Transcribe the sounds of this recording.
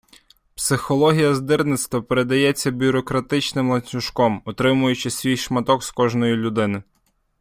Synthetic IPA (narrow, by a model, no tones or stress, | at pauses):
psɪxɔlˠɔɦʲijɐzd̪ɪrnɪt̪st̪ʋɐpeɾe̞d̪ɐjɛt͡sʲːɐbʲʊɾɔkɾɐt̪ɪt͡ʃnɪmlˠɐnʲsʲʊʃkɔmɔt̪ɾɪmʊjʊt͡ʃɪsʲʋʲijʃmɐt̪ɔkskɔʒnɔjilʲʊd̪ɪnɪ